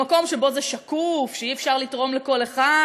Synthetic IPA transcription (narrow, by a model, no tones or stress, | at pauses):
ako̞mʃebo̞zeʃakufʃeiefʃaʁlitʁo̞mleko̞le̞χa